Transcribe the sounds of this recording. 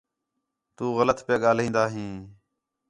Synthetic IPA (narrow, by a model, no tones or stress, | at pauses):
t̪uːɣələt̪pjaːɠaːlĩːnd̪aːɦĩː